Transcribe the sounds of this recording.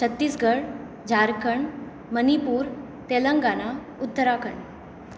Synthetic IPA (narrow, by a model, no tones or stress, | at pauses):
t͡ɕʰət̪ːiːsɡəɽ | d͡ʑʱaɾkəɳ | mənipuːɾ | t̪eləŋɡana | ut̪ːəɾakəɳ